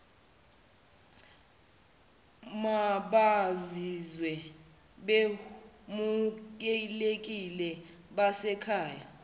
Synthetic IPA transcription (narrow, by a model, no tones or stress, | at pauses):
maɓazizwɛ | ɓe | mukɛlek̬ʼilɛ | ɓasɛkʰaːja̰